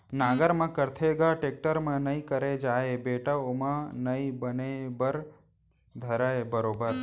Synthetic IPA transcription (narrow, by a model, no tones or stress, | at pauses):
naɡəɾmãkəɾt̪ʰeɡaʈek̚ʈəɾmãnəĩkəɾed͡ʒaebeʈaomãnəĩbənebəɾ | d̪ʱəɾaebəɾobəɾ